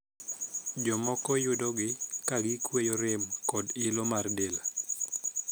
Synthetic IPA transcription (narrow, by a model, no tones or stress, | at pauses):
d͡ʒɔmɔkɔjʊdɔɡɪkaɡɪkwejoɾɪmkɔdɪlomardela